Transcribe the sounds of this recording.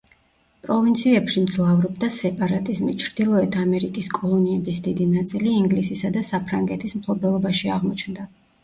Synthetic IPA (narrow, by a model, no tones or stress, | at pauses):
pʼɾɔvint̪sʰiɛpʃimd̪zlˠavɾɔb̚d̪asɛpʼaɾat̪ʼizmit͡ʃʰɾd̪ilˠɔɛt̪ʰamɛɾikʼiskʼɔlˠɔniɛbisd̪id̪inat̪sʼiliːŋɡlisisad̪asapʰɾaŋɡɛt̪ʰismpʰlˠɔbɛlˠɔbaʃiaʁmɔt͡ʃʰnd̪a